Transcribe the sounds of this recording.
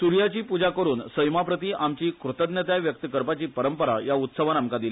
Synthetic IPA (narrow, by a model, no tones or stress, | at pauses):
suɾjat͡ɕiːpud͡ʑakəɾuːnsəjmapɾət̪iːʔamt͡ɕiːkɾut̪əd̪njət̪jaʋjək̚t̪əkəɾpat͡ɕiːpəɾəmpəɾa̰jaut̪səʋanamkad̪ili